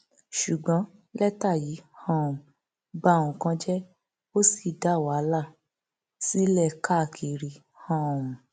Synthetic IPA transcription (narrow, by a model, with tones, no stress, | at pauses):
ʃu˨ɡ͡bɔ̃˨˦ | lɛ˦ta˦˨ji˨˦hã˦˨ũ˨ | ba˦˨ũ˨kã˧d͡ʒɛ˦ | o˦si˦˨da˨˦˨wa˨˦la˦˨ | si˦lɛ˦˨ka˦˨kʰi˨ɾi˨˦ | hã˦˨ũ˨